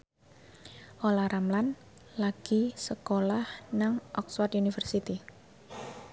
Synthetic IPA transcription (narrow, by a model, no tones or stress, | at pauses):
ʔolaɾamlan | laɡ̥isəkolahnaŋʔɔkswart̪unifərsit̪i